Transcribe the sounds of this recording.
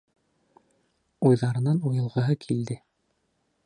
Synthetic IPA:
ujðɑɾɤ̆nɑnujɤ̆lˠʁɤ̆ɦɤkʰild̪ɘ

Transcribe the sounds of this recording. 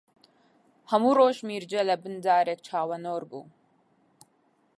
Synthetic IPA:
hɐmuːroːʒmiːɾd͡ʒɐlɐbɨnd̪aːɾeːk̚t͡ʃʰaːwɐnoːɾbṵː

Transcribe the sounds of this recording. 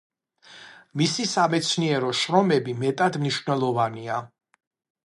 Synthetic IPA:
misisamɛt̪sʰniɛɾɔʃɾɔmɛbimɛt̪ʼad̪mniʃvnɛlˠɔvania

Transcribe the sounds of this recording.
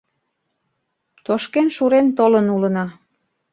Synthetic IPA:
t̪oʃkenʃuɾent̪olənulənɑ

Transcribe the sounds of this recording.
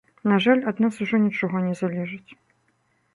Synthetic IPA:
naʐalʲad̪nasuʐɔnʲit͡ʂɔɣɔnʲɛzalʲɛʐɨt͡sʲ

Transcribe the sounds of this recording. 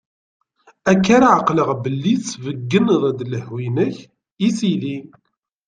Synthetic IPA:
ækːaɾaʕəqləʁbəlːiθsvəɡːənðˤd̪ləhwinəç | isili

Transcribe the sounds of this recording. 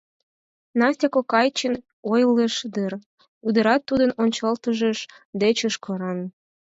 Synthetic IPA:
nɑsʲt̪ʲɑkokɑjt͡ɕən | ojleʃd̪ɨr | ud̪ə̆ɾɑt̪ːud̪ənonʲt͡ɕɑlt̪əʒəʃ | d̪et͡ɕəʃkʰoɾɑn

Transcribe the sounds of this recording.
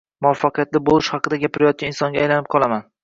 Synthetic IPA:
mʊɒfːɑqɨjat̪lɪbolˠɪʃhɑqɨd̪aɡʲapʰɪɾajɒt̪̚kʲanɪnsɒŋɡʲaajlanɪp̚qʰɒlˠaman

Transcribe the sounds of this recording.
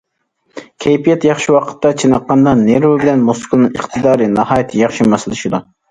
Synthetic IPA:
kʲʰɛjpijɛt̪jɑχʃiwɑqʰə̥t̪ːɑt͡ʃʰinɑqːɑnd̪ɑneɾwɪbɪlɛnmoskʰʊlˠnɨŋəχt̪ʰɨd̪ɑːɾɨnɑhɑːjit̪ʰɨjɑχʃimɑsɪlˠɪʃid̪u

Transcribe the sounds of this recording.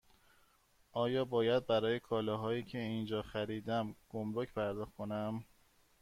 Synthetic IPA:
ʔɒːjɒːbɒːjæd̪̚bæɾɒːje̞kʰɒːlɒːɦɒːiːcʰe̞iːnd͡ʒɒːxæɾiːd̪æmɡ̥omɾocʰpʰæɾd̪ɒːxt̪kʰonæm

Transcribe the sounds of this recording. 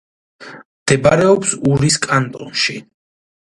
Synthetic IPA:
md̪̥ɛbaɾɛɔpsuɾiskʼant̪ʼɔ̰nʃi

